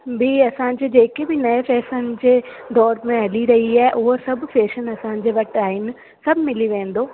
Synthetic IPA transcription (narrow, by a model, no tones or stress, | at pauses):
bʱiɐsãɲd͡ʑeːd͡ʑeːkebʱɪnɐefɛːsənɪ̆d͡ʑeːd̪ɔːɾmẽɦɐliɾɐɦiaːɦɛʔʊɦəɾsɐbʱfeːʃənɐsãd͡ʑeːʋɐʈaːɦɪnɪ̆ | sɐbʱmɪliʋẽːn̆d̪oː